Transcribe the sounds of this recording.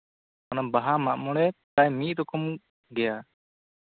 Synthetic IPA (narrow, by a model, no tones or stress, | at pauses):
manambaɦamaʔmɔɽ̃ɛt̪ajmit̪̚ˀɾɔkum | ɡɛja